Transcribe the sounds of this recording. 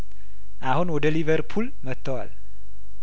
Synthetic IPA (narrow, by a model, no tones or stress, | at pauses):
ʔahunwɔd̪əliβəɾpʰul | mət̪ʰːəwa̰l